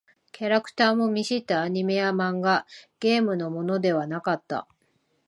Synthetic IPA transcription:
kʲaɾakɯ̟̥t̪aːmo̞mʲiɕit̪ːaːɲ̟ime̞jamãŋɡaɡ̥ʲe̞ːmɯ̟no̞mo̞no̞d̪e̞βanakat̪ːa̰

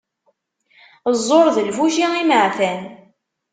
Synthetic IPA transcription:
zˤːoɾˤðəlfuʃiŋiməʕθæn

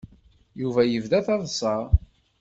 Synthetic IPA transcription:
juvæjəvðæθɑðˤsˤɑɾ

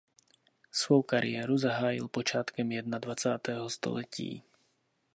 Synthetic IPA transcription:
sʋɔʊkaɾḭɛːɾuzaɦaːjḭlpɔt͡ʃɪat̪kɛmjɛd̪̚nad̪ʋat͡saːt̪ɛːɦɔst̪ɔ̰lɛcḭː

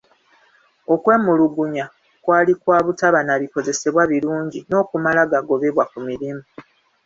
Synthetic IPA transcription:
o̞kwe̞ːmuluɡuɲa | kwaːlikwaːβutaβanaβiko̞ze̞se̞βwaβiɾuːɲɟino̞ːkumalaɡaɡo̞βe̞βwakumiɾimu

